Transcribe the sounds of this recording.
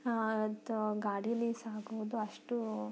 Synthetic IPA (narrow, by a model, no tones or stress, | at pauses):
t̪ɡaːɽijɐlːisaːɡuʋud̪uɐʂʈu